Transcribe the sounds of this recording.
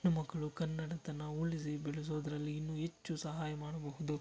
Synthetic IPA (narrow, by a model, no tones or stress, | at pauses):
numɐɡɐɭukɐnːɐɽɐt̪ɐnːɐuɭis̬ibɛɭɛs̬o̞ːd̪ɐɾɐlːiːnːuɦet͡ʃːusɐɦaːjɐmaːɽɐbɐɦud̪u